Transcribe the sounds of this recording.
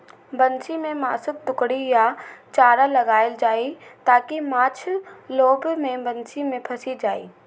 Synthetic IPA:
bɐnt͡ʃimẽmaːsʊt̪̚d̪ʊkɽijat͡ʃaːɾalɐɡaːɪld͡ʒaːit̪aːkimãːt͡ʃʰloːbmẽbɐ̃nt͡ʃimẽpʰɐsid͡ʒaːḭː

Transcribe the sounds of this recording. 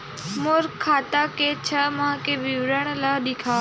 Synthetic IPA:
moːɾkʰːaːt̪aket͡ʃʰəmãkeʋiʋɾəɳ̃laːɗɪkʰaː

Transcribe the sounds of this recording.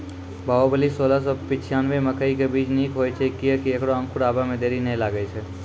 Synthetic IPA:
baːobəlisoːlas̬opɪt͡ʃʰijaːnʋeməkəikebiːd͡ʒniːkɦoːjt͡ʃʰekːiəkieːkɽoə̃ŋkʰʊɽaːbamẽd̪eːɾinɐɦĩlaːɡəit͡ʃʰɛ

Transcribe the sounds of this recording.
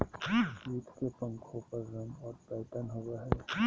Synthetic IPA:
ɡiːt̪ʰkepə̃ŋkʰopəɾzəmɔːɾpɛːt̪ənɦoɡaɦɛː

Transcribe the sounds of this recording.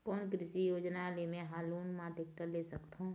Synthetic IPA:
kɔːnkɾɪʃijoːd͡ʒnalemẽɦaːluːnmãd̪ɪk̚ʈ̪əɾleːsəkt̪ɦõ

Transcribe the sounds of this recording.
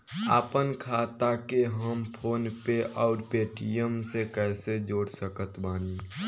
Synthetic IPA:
aːpənkʰaːt̪akeɦəmpʰoːnpeʔɔːɾpeːʈijəmsekɛːsed͡ʒoːɽsəkət̪baːni

